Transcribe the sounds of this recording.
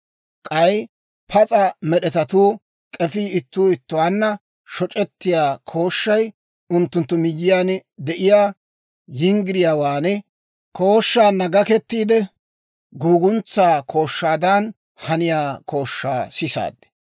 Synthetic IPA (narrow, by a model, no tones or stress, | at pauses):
kʼɐj | pʰɐt͡sʼɐmɛɗɛt̪ɐt̪uː | kʼɛfiːɪt̪ːuːɪt̪ːʊwaːnːɐ | ʃɔt͡ʃʼɛt̪ːɪjaːkʰo̞ːʃːɐj | ʊnt̪ːʊnt̪ːʊmɪjːɪjaːnd̪ɛʔɪjaː | jɪŋɡɪɾɪjaːwaːnɛ | kʰo̞ːʃːaːnːɐɡɐkɛt̪ːiːd̪ɛ | ɡuːɡʊnt͡sːaːkʰo̞ːʃːaːd̪ɐn | hɐnɪjaːkʰo̞ːʃːa̰ːsɪsa̰ːd̪ːɛ̥